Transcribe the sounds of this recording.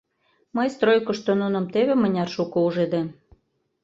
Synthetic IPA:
məjst̪ɾojkoʃt̪onunə̆mt̪eβemənʲɑrʃukouʒed̪e

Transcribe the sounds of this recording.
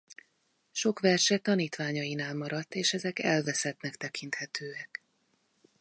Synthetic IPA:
ʃo̞kʋɛrʃɛt̪ːɒniːt̪ʋaːɲɒjinaːlmɒɾɒt̪ːeːʃɛzɛkɛlvɛsɛt̪nɛkt̪ɛkint̪hɛt̪ʰøːɛk

